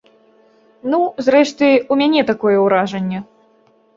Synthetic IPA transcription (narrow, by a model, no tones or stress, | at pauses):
nuzrɛʂt̪ɨumʲanʲɛt̪akɔjɛwɾaʐɐnʲːɛ